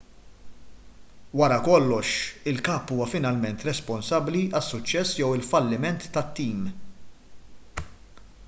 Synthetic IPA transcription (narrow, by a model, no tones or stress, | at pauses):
wɐɾɐkɔlːɔʃɪlkɐːpːuːwɐfɪnɐlmɛnt̪ɾɛspɔnsɐbliɐsːʊt͡ʃːɛsːjɔwɪlfɐlːɪmɛnt̪ːɐt̪ːiːm